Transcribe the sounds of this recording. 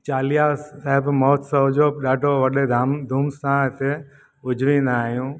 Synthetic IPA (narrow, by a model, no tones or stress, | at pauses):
t͡ʃaːlijasaɦɪbmɔːt̪sɐd͡ʒoːɗaːɖʱoʋɐɗed̪ʱmd̪ʱuːmsãɪt̪ʰe | ʊd͡ʒʱʋĩːnd̪aaːɦijũː